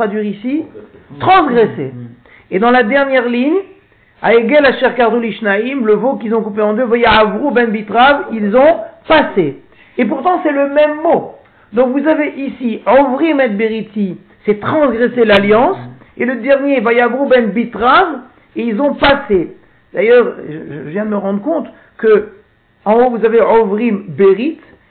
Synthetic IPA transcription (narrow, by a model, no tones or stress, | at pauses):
t̪ad̪ɥiʁisit̪χɑ̃sɡʁɛsḛ | ed̪ɑ̃lad̪ɛʁnjɛʁliɲ | a̰eɡɛlaʃɛʁkaʁd̪uliʃnaimləvok̬ilzɔ̃kupeɑ̃d̪øvajaavʁubɛnbit̪ʁavilzɔ̃paseː | p̬uʁt̪ɑ̃sɛləmɛmːo | d̪ɔ̃kvuzaveʔisiɔvʁimɛt̪̚beʁit̪i | sɛt̪χɑ̃sɡʁɛselaljɑ̃s | eləd̪ɛʁnjevajavʁubɛnbit̪ʁav | eilzɔ̃pase | d̪̥ajœʁʒəʒəvjɛ̃əməʁɑ̃d̪ʁəkɔ̃t̪ | kə | ɑ̃ovuzaveʕɔvʁimbeʁit̪